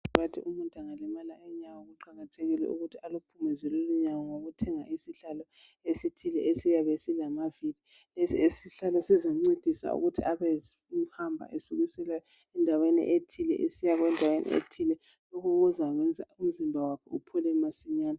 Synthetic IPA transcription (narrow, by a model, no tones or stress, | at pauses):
βatʰḭʔumuntʼaŋalɛmalaʔɛɲawɔɣuǃaɣatʰeɣilɛ̰ʔṵɣutʰialupʰumɛzɛloluɲawɔŋoɣutʰɛŋaʔisiɬalɔ | esitʰilɛesijaβesilamavili | lesiesiɬalɔsizoŋ͡ǀid̥ʱisa̰ṵɣutʰḭaβɛhambʱa̰ʔesuɣisɛlajɔ | ɛndʱawenḭʔetʰilɛ̰ʔesijaɣwɛndʱawenʔḭḛtʰilɛ | lokʰuɣuzaɣwɛnd͡zʱa̰um̩zimbʱawakʰɛupʰɔlɛmasiɲaːna